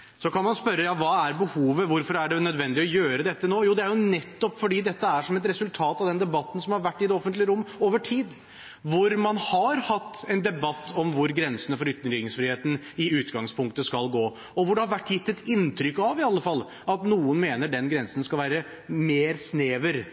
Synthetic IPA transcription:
sɔkɑnmɑnspœɾːəjɑːʋɑːæɾbəhuːʋəʋʊɾfɔɾæɖɛnœd̪ʋɛnd̪ɪɔjøːɾəd̪ɛt̪ːənoːjuːd̪ɛæɾjʊnɛt̪ːɔpfɔɖiːd̪ɛt̪ːəæʂɔmɛt̪ɾɛsʉlt̪ʰɑːt̪ɑʋd̪ɛnd̪ɛbɑt̪ːən̩sɔmhɑɾʋæʈːɪd̪ɛɔfənt̪lɪəɾʊmːoːʋəʈʰiːd̪ | ʋʊɾmɑnhɑɾhɑt̪ːɛɪnd̪ɛbɑt̪ːɔmʋʊɾɡɾɛnsənəfɔɾʏt̪ːənɾɪɡɪŋsfɾɪːheːt̪n̩ɪʉːt̪ɡɑŋspʰʊŋk̚t̪əskɑlɡoː | ɔʋʊɖɛhɑɾʋæʈːjɪt̪ːɛt̪ʰɪnt̪ʰɾʏkːɑʋɪɑlːəfɑlː | ɑt̪nuːʊnmeːnəɖɛnɡɾɛnsənskɑlʋæːɾə | meːɾsneːʋəɾ

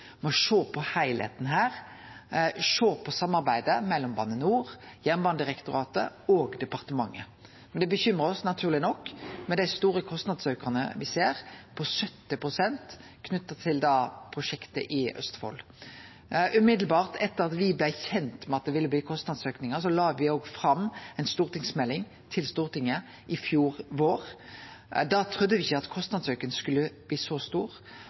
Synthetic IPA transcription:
mɛɔʃoːpʰɔhæɪlhḛːt̪n̩ɦæːʁ | ʂoːpʰɔsɑmːɑɾbæɪd̪əmɛlːɔmbɑ̰ːnːənuːʁjænbɑnd̪ɪʁɛkt̪ʊɾɑːt̪ə̰oːɡd̪ɛpɑʁt̪əmɑŋːə | mɛnd̪ɛbəçʏmʁəɔsnɑt̪ʰʉːʁlɪnɔkːmɛd̪æɪst̪uːɾəkʰɔst̪nɑd̪søːkəʁnə̰ʋɪseːʁpʰɔsœt̪ːɪpʁʊsɛnt̪ | kʰnʉt̪ːɑt̪ʰɪld̪ɑːpʰɾʊʃɛkt̪ə̰ʔɪœ̰st̪fɔ̰l | ʔʉmɪd̪lbɑːʁt̪ʰɛt̪ːəʁɑt̪ʋɪblæçɛnt̪mɛɑt̪̚d̪ɛʋɪlːəbliːkʰɔst̪nɑd̪søːknɪŋəsɔlɑːʋɪoːɡfʁɑmːɛɪnst̪uːʁt̪ʰɪŋsmɛlːɪŋ | t̪ʰɪlst̪uːʁt̪ʰɪŋːə | ʔɪfjuːʁʋoːʁ | d̪ɑt̪ʰʁʉd̪ːəʋɪɪçːəɑt̪kʰɔst̪nɑd̪søkənskʉlːəb̥liːsɔst̪uːʁ

